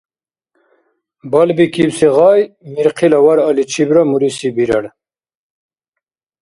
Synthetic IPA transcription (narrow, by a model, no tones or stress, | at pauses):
bɐlbikiwsiʁɑːjmiɾqʰilɐwɐɾɐlit͡ɕʰibɾamuɾisibiɾɐɽ